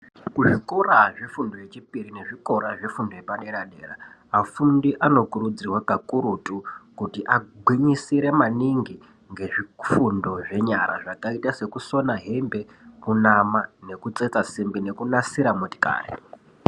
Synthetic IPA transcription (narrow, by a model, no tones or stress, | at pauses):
kuʐikoɾaʐifundo̞je̞t͡ʃipirine̞ʐiko̞ɾaʐefundo̞jepaɗe̞ɾaɗeːra | afundiʔano̞kurud͡zirwakakuɾutukutiʔaɡʱwiɲisiɾe̞maniŋɡi | ŋɡe̞ʐifundo̞ʐe̞ɲaɾa̰ʐakaitase̞kuso̞naɦe̞mbe̞ | kunamane̞kut͡set͡sasimbine̞kunasiɾamuti̥ka̰ːrḛ